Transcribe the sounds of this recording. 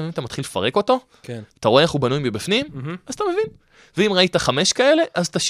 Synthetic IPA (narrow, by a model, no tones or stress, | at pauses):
imat̪amat̪χilefa̰ʁe̞ko̞to̞ | keat̪aʁoeeχubanujmbebifnimazt̪ame̞vin | veimʁaitaχame̞ʃkae̞le̞ʔazt̪aʃ